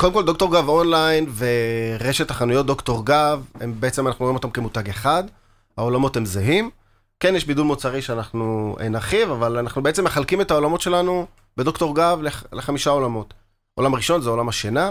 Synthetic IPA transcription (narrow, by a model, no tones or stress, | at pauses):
kodemkoldo̞kto̞ʁɡavonlajnveʁeʃethaχanujo̞t̚do̞kto̞ʁɡavembeet͡semanaχnuimot̪amke̞mut̪aɡeχad | hao̞lamo̞te̞mzeɦim | ke̞njɛʃbidulmot͡saʁiʃeanaχnuḛnaχivavalanaχnubeet͡seme̞χalkime̞tao̞lamo̞tʃe̞lanu | be̞dokto̞ʁɡavleleχamiʃao̞lamo̞t | o̞lamaʁiʃo̞nzeo̞lamaʃena